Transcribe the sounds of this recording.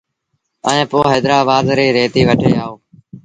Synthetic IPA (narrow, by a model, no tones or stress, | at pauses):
əẽːpoːɦeːd̪ɾaːbaːd̪ɾiːɾeːt̪iːʋəʈʰḛːaːoː